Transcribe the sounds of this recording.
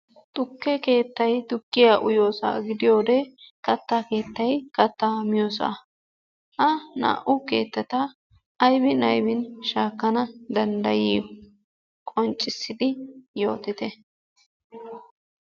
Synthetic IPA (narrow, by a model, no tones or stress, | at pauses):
t̪ʼʊkːɛke̞ːt̪ːɐjt̪ʊkːɪjaːʔʊjo̞ːsa̰ːɡɪd̪ɪjo̞ːd̪ɛkɐt̪ːaːke̞ːt̪ːɐjkɐt̪ːaːmɪjoːsa̰ | ʔɐna̰ːʔʊke̞̰ːt̪ːɛt̪ɐː | jbɪnɐjbɪnʃaːkːɐnɐd̪ɐnd̪ɐjɪjɔ | kʼɔnt͡ʃʼːɪsːɪd̪ɪjo̞̰ːt̪ɪt̪ɛ